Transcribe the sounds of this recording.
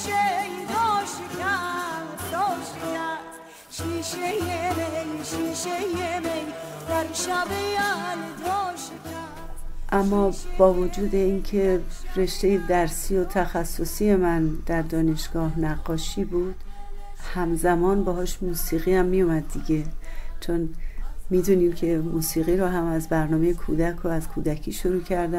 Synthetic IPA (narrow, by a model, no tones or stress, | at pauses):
ʃejd̪ɔʃkʰæ | ɔːʃʰæ̥ | ʃiʃejemejʃiʃejemej | d̪̥æɾʃæbejæld̪ɔʃekʰæ | ʔæmːɒːb̥ɒːvod͡ʒuːd̪e̞incʰe̞re̞ʃt̪e̞je̞d̪æɾsiːo̞t̪ʰæxæsːosiːje̞mænd̪̥æɾd̪ɒːne̞ʃɡ̥ɒːhnæɢːɒːʃiːbuːd̪̥ | hæmzæmɒːnbɛɦɒːʃmuːsiːɣiːhæmːijomæd̪̚ːiɟe̞t͡ʃʰonmiːd̪uːniːmcʰe̞muːsiːɣiːɾɔːɦæmæzbæɾnɒːme̞jekʰuːd̪ækʰoæzkʰuːd̪ækʰiːʃoɾuːcʰæɾd̪æ